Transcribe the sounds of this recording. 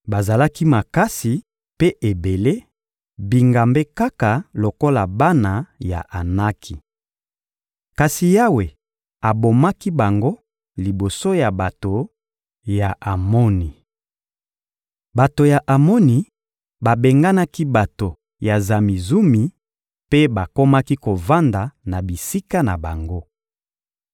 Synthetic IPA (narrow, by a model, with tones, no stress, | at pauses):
ba˨za˨la˦ki˦ma˨ka˦si˨ | pe˦ʔe˨be˨le˦ | bi˨ŋɡa˨mbe˦ka˦ka˨lo˨ko˦la˨ba˦na˨ja̰˨ʔa˨na˦kʰi˨ | ka˨si˨ja˦we˨ | a˨bo˨ma˦ki˦ba˨ŋɡo˦ | li˨bo˨so˦ja˨ba˨to˨ | ja˨ʔa˨mo˦ni˨ | ba˨to˨ja˨ʔa˨mo˦ni˨ | ba˨be˨ŋɡa˦na˦ki˦ba˨to˨ | ja˨za˨mi˨zu˦mi˨ | pe˦ba˨ko˦ma˦ki˦ko˨va˦nda˨na˨bi˨si˦ka˦na˨ba̰˨ŋɡo˦